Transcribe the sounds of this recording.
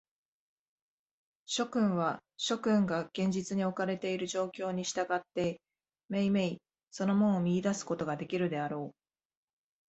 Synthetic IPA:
ɕo̞kɯ̟̃ɰ̃βaɕo̞kɯ̟̃ŋɡaɡ̥ẽ̞ɲ̟d͡ʑit͡sɨɲ̟io̞kaɾe̞t̪e̞iɾɯ̟ʑo̞ːkʲo̞ːɲ̟iɕi̥t̪aɡat̪ːe̞ | me̞ime̞i | so̞no̞mõ̞ɰ̃omʲiid̪asɨ̥ko̞t̪o̞ɡad̪e̞kʲiɾɯ̟d̪e̞aɾo̞ː

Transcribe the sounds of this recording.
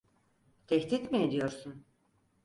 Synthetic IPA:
t̪ʰɛçt̪ʰit̪mied̪ijo̞ɾsun

